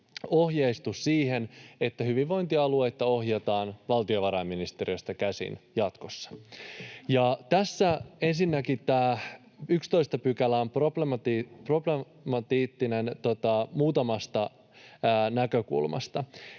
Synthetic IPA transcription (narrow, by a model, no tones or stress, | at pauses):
o̞hjeist̪ussiːhe̞ne̞t̪ːæhyʋiʋʋo̞jnt̪iɑlue̞jt̪ːɑo̞hjet̪ɑːnʋɑlt̪io̞ʋɑɾɑmːinist̪eɾiost̪ɑkæsḭnjɑt̪ko̞sːɑ̥ | jɑt̪æsːæe̞nsinːækit̪æː | ykst̪o̞ist̪ɑpykælːæomproplemt̪iprople | mɑt̪iːt̪ːine̞nt̪ot̪ɑmuːt̪ɑmɑst̪ɑː | nækø̞kṵlmɑ̰st̪ɑ